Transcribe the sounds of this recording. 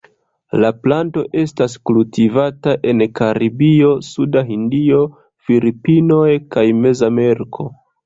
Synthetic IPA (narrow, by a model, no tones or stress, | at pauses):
laplanto̞ʔe̞stas̬kultivataʔe̞nkaɾibio̞sudaɦindio̞ | filipino̞jkajme̞zameɾkʰo̞